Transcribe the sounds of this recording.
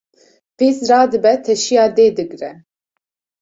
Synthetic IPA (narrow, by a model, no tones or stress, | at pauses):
v̥iːsrɑːd̪ɨbɛt̪ʰɛʃijɑːd̪eːd̪ɨɡɾɛ